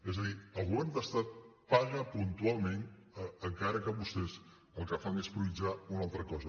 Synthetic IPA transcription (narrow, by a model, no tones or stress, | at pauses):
ezəðiəlˠɣuβɛɾmd̪əst̪at̪̚paɣəpunt̪ualˠmenəəŋkaɾəkəβust̪ɛz | əlˠkəfaŋespɾuβid͡ʒaunalˠt̪ɾəkɔzə